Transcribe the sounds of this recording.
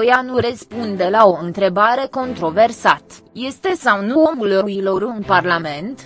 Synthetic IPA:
janurəspund̪e̞lao̞ɨnt̪ɾe̞baɾe̞ko̞nt̪ɾo̞ve̞rsat̪je̞st̪e̞sawnuo̞mulruilo̞ɾɨnparlame̞nt̪

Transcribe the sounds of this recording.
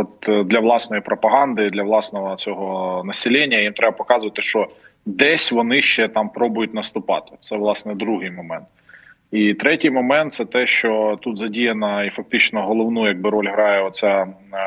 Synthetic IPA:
ɔt̪d̪lʲɐʋlˠɑsnɔjipɾɔpɐɦɑnd̪ɪd̪lʲɐʋlˠɑsnɔɦɔt͡sʲɔɦɔnɐsʲɪlʲɛnʲːɐjimt̪ɾɛbɐpɔkɑzʊʋɐt̪ɪʃt͡ʃɔd̪ɛsʲʋɔnɪʃt͡ʃɛt̪ɑmpɾɔbʊjʊt̚ʲnɐst̪ʊpɑ̰t̪ɪ̥t̪sɛʋlˠɑsnɛd̪ɾuɦɪjmɔmɛnt̪̚ | it̪ɾɛtʲijmɔmɛnt̪sɛt̪ɛʃt͡ʃɔt̪ut̪zɐdʲijɐnɐifɐk̚t̪ɪt͡ʃnɔɦɔlˠɔʋnujɐɡ̚bɪɾɔlʲɦɾɑjɛɔt̪sʲa

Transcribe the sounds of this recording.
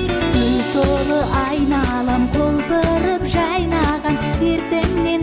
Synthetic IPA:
elsoɾəʔɑjnɑlˠɑmqʰolˠpəɾəpʒɑjnɑʁɑnsʰe̞ɾt̪ɪmne̞n

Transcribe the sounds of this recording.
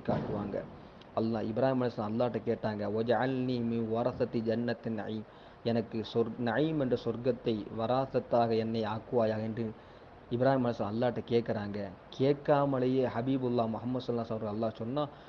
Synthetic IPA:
kːaːʈːɯʋa̰ːŋɡɐ̰ | ɐlːaːɪbɪɾaːhimɐnɐsɾɐ̃ɐlːaːʈːɐkeːʈːaːŋɡɐʋɐd͡ʒɐʕalniːmɪnʋɐɾɐθɐt̪d͡ʒɐnːɐt̪nɐ̰ʕiːm | ɛnɐkːɯsɔɾnɐʕiːmɛndrɐsɔɾɡɐt̪ːɐɪʋɐɾaːθɐt̪ːaːɣɐɛnːɐɪaːkːɯʋaːjaːɣɛnɖrɯ | ɪbɪɾaːhimɐnɐsɾɐ̰̃ɐlːaːʈːɐkeːʈkːɐɾaːŋɡɐkʰeːʈkːaːmɐɭɐjeːhɐbiːbɐlːaːmʊhɐmːɐd̪sɐlːaːsaːmɐɾɣɐɭɐlːaːsɔnːaː

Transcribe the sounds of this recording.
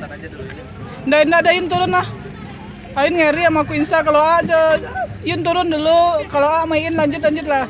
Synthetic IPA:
ndaindadajʊnt̪uɾʊnlah | aɪnŋaɾiamakuinsakaload͡ʒəjʊnt̪uɾʊndulukaloamaiɪnlaɲd͡ʒʊt̪̬̚laɲd͡ʒʊt̪̚la

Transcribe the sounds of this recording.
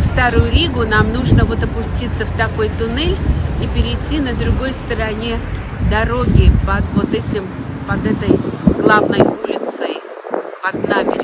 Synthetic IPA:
fst̪aɾʊjʊɾʲiɡʊnamnuʐnəvo̞t̪ɐpʊsʲtʲit̪səft̪ɐko̞jt̪ʊnɛlʲipʲɪɾʲɪjtʲːinəd̪ɾʊɡo̞jst̪əɾɐnʲe | d̪ɐɾo̞ɡʲɪpɐd̪vo̞t̪ɛtʲɪmpɐd̪ɛt̪əjɡlˠavnəjulʲɪt̪sɨj | pɐd̪namʲɪɾʲ

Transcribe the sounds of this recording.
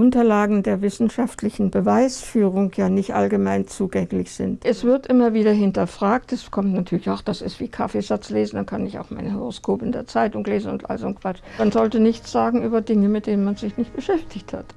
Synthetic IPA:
ʔʊntɐlaːɡŋ̩deːɐvɪsn̩ʃaftlɪçn̩bəvaɪsfyːʁ̞ʊŋjaːnɪçtʔa̰lɡəmaɪnt͡suːɡɛŋlɪçz̥ɪntʔɛsv̥ɪɐtʔɪmɐviːɾɐɦɪntɐfʁ̥aːk̚tɛskʰɔmtnatʰyːɐlɪçaʊxd̥asɪ̰stv̥iːkʰafeːzat͡sleːzn̩d̥ankʰanɪça̰ʊxmaɪnəhøʁoskʰoːpɪndeːɐt͡saɪtʊŋleːzn̩ʊ̰ntʔa̰lzonkv̥at͡ʃmanzɔltənɪçt͡sz̥aːɡŋ̩ʔyːbɐdɪŋəmɪt̚d̥eːnənmanzɪçnɪçt̚b̥əʃɛftɪçtha̰t

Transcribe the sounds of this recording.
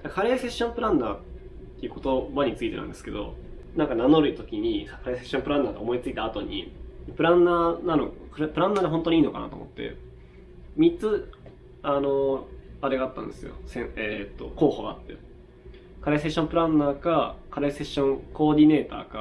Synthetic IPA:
d̪akaɾease̞ɕːõ̞mpɯ̟ɾãnːa̰ː | t̪ːeiɯ̟ko̞t̪o̞baɲ̟it͡sɨit̪eã̰nd̪e̞sɨ̥ke̞d̪o̞̰ | nãŋkananoɾɯ̟it̪o̞kʲiɲ̟ikʰaɾeseɕːõ̞mpɯ̟ɾãnːaːɡ̪a̰omo̞it͡sɨit̪aːt̪o̞ɲ̟ḭpɯ̟ɾãnːaːnanokɾpɯɾãnːaːd̪eɦont̪oɲiːno̞kana̰t̪o̰mo̞̰t̪ːe̞̰ | mʲitt͡sɨ | ano̞aɾeɡaːt̪ːã̰nd̪e̞sɨjo̞̰sẽet̪ːo̞ko̞ːhoɡa̰ːt̪ːe̞̰ | kaɾeseɕːõmpɯ̟ɾãnːaːkakaɾese̞ɕːõ̞ŋko̞ːd̪ʲine̞ːt̪a̰ːka

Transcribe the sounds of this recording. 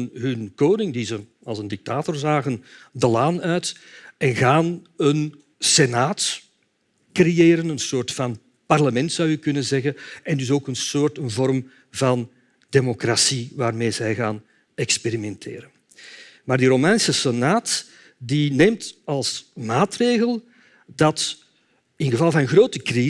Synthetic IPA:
nɦʏnkoːdɪŋdizə | ɑlˠzəndɪk̚taːtɔrzaːɣəndəlaːnœɥtɛnɣaːn | ən | senaːt | krejeːɾənənsoːrtfɑn | pɑrləmɛntsɑwjəkʏnənzɛɣənɛndʏsoːkənsoːrtənvɔrm | vɑn | d̥emokrasiʋaːrmeːzɛjɣaːn | ɛkspeɾimɛntʰḛːɾən | maːrdiɾomɛːnsəsenaːt | dineːmtɑlˠsmaːtreːɣəlˠ | dɑt | ɪnɣəvɑlˠvɑnənɣroːtəkri

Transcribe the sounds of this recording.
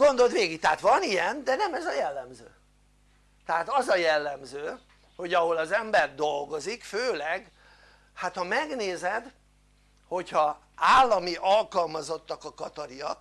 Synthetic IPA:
ɡo̞nd̪o̞ld̪ʋeːɡik̚t̪ɛɦat̪ʋɒnijɛnd̪ɛnɛmɛzɒjɛlːɛmzø̰ː | t̪ɛɦaːt̪ɒzɒjɛlːɛmzøː | ho̞ɟɒɦo̞lɒzɛmbɛrd̪o̞lɡo̞zikføːlɛɡ | hat̪hɒmɛɡneːzɛd̪ | ho̞chɒ | aːlːɒmiʔɒlkɒlmɒzo̞t̪ːɒkɒkɒt̪ɒɾiɒk

